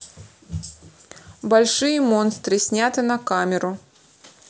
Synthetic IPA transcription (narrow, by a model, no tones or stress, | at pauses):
bɐlʲʂɨjəmonst̪ɾɨsʲnʲat̪ɨnɐkamʲɪɾʊ